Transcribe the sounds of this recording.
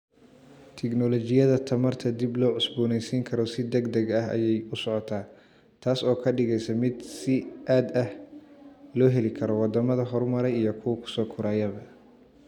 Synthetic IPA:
t̪ʰɛɡnɔlɔt͡ʃɪjɐðɐt̪ʰɐmɐrt̪ʰɐd̪iblɔːʕʊsbuːnɛjsiːŋkʰɐɾɔsɪd̪ɛɡd̪ɐɡɐɦɐ̰jɛjʊsɔʕɔt̪ʰaː | t̪ʰaːsɔːkʰɐɖɪɣɛjsɐmɪd̪sɪʔaːd̪ɐh | lɔːɦɛlɪkʰɐɾɔwɑd̪ɐmɐðɐɦɔrmɐɾɛjijɞkʰʊwɐkʰʊ̥sɔːkʰʊɾaːjɐβɐ

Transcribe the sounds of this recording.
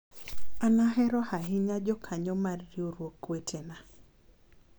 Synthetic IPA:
anaɦɛɾɔhaɦɪɲad͡ʒɔkʰaɲɔmarːioɾwokːwetʰena

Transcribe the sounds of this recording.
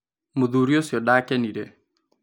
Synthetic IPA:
muðuɾiosjɔɗaːkɛniɾe

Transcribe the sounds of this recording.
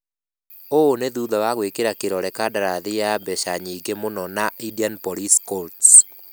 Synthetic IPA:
oːneðuðawaɣwekeɾakeɾɔɾɛkadaɾaðejabɛʃaɲiːɡemonɔnaidianpɔɾiskolt

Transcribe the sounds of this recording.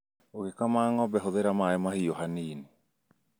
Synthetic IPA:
oɣekamaŋɔbɛɦoðeɾamaɛmahijɔhaniːni

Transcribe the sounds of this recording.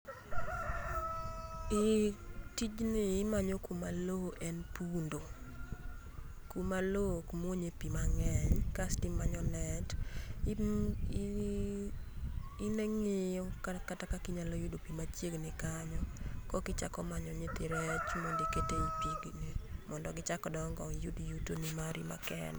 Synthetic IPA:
ɪtid͡ʒnɪːmaɲokumaloʔɛnpundo | kumalokmoɲepimaŋɛɲkastɪmaɲɔnɛt | ineŋɪjɔkakatakakɪɲalɔjudopimat͡ʃjeɡnɪkaɲɔkɔkɪt͡ʃa̰kɔmaɲɔɲet̪ɪɾɛt͡ʃmondeketepiɡnimɔndɔɡɪt͡ʃakɔdɔŋɡɔjudjutonɪmaɾima̰kɛ̰n

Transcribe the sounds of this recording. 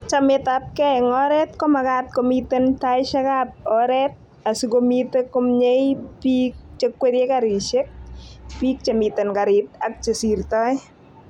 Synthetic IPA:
t͡ʃamɪtap̚kɛŋɔɾɛt̚kɔmakat̚komitentajʃakap̚ɔɾɛt̚ | asikomitekɔmɲejpik̚t͡ʃekweɾjekaɾiʃek̚pik̚t͡ʃemitenkaɾit̚ak̚t͡ʃesirtɔj

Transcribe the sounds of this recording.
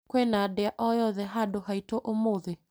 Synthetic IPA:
kwɛnadeaʔɔjɔðɛɦadohaitoʔomoðe

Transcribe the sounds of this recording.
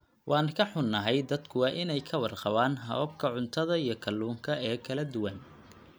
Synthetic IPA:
wʔɑːnkʰɐħʊnːɐɦɛjd̪ɐd̪kʰʊwɑːʔɪnɛjkʰɐwɑrqɑβaːnɦɐ̰b̚kʰɐʕʊnt̪ʰɐðɐijɞkʰɐlːuːŋkʰɐɛːkʰɐlɐd̪ʊwɐn

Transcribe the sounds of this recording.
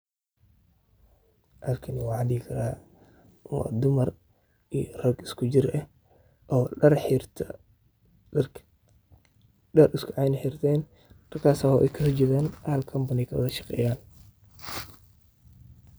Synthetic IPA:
ʔɐlkʰɪnwɑːʕɑd̪ikʰɐɾaː | wɑ̰ːd̪ʊmɐr | ijɔrɐɡɪskʰʊd͡ʒɪɾʔɐh | ʔɔːrħt̪ʰ | ɖɐrɪskʰʊʕɑjnɐħɪrt̪ʰɛːn | rɐrkʰaːsɐhɔːʔɛ̰jkʰɐsɛd͡ʒɪɣaːnʔɐhɐlkʰɐmbɐnɪkʰɐwɐ̰ðɐʃɑ̥qɛ̰ːjaːn

